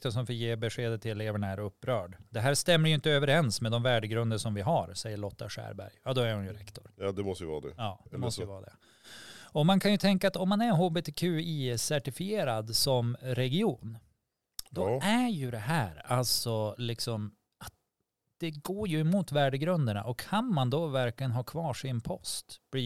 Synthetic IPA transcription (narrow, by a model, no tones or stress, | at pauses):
k̚t̪ɔʂɔmfɔjeːbɛɧeːd̪ət̪ʰɪlɛleːvəɳaæɾɵpːɾœːɖd̪ɛɦæːɾʂt̪ɛmːəɾjʏɪnt̪əøːvəɾɛnsmɛd̪ɔmvæːɖəɡɾɵnd̪əʂɔmvɪɦaɾsɛjːəɭɔt̪ːa̰ʂæ̰ːɾbæ̰ɾjjɑːd̪ɔæɾhʊnjɵɾɛkt̪ɔɾjd̪ɛmɔst̪əjəvɑ̰ːd̪ɛ̰jɑːd̪ɛmɔst̪əəvɑːd̪ɛ̰ | ɔmankʰanjɵt̪ʰɛŋkaːt̪ɔmːanæɾɦoːbeːt̪ʰeːkʰʉ̟ːisæʈɪfɪeːɾad̪sɔmɾɛɡɪuːn | d̪ɔæjɵd̪ɛɦæːɾalsɔlɪksɔm | at̪̚ | d̪̥ɛɡoːɾjɵɛmuːt̪væːɖəɡɾɵnd̪əɳa̰ʔɔkʰːanmand̪ɔvæɾklɪɡənɦɑːkʰvɑːʂɪnpʰɔst̪b̥liː